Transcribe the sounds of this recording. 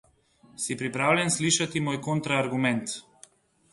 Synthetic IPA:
sipɾipɾavlʲɛnsliʃat̪imojkɔnt̪ɾaːɾɡumɛnt̪

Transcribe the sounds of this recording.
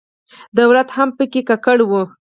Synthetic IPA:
d̪awlat̪hampəkekakəɽwu

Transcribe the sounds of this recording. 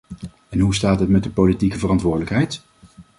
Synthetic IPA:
ɛnɦustaːtɦətmɛt̚dəpolitikəvərɑntʋʊːɹdələkɦɛjt

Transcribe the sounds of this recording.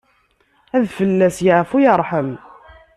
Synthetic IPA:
æðfəlːæsjəʕfujəɾˤħəm

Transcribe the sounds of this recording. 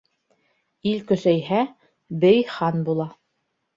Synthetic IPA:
ilkɵ̆sæjɦæ | bɘjχɑnbulˠɑ

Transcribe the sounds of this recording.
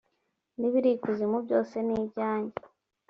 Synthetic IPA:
niβiɾikuzimubɟo̞ːse̞niːbɟaːɲɟe

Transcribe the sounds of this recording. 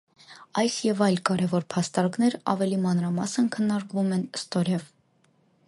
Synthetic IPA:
ɑjsjɛvɑjlkɑɾɛvɔɾpʰɑst̪ɑɾknɛɾɑ̰vɛlimɑnɾɑmɑsənkʰənːɑɾkvumɛnst̪ɔɾɛv

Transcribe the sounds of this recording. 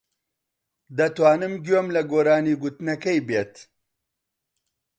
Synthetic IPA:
d̪ɐt̪waːnɨmɡomlɐɡoːɾaːniːɡut̪nɐkɐjbeːt̪

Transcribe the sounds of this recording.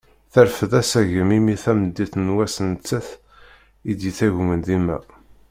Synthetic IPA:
θæɾfəðæsæʝəmimiθæməd̪ːiθnwæsənt͡sːəθ | id̪jiθæʝmənðimːæ̰

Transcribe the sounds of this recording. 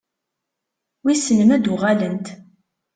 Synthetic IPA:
wisənəmæd̪ʊʁalənt̪

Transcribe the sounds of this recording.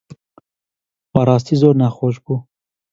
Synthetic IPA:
paɾɑːst̪izoɾnaxoʃbu

